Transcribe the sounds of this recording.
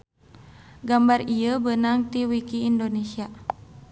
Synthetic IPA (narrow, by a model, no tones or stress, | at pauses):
ɡambarijəbənaŋt̪iwikiːndonesia